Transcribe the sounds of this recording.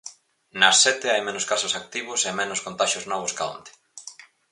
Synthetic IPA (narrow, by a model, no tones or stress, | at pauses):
nɐsːɛt̪ɪajmẽnʊskasʊsak̚t̪iβʊsemɛnoskont̪aʃoznɔβ̞oskao̰nt̪ɪ̥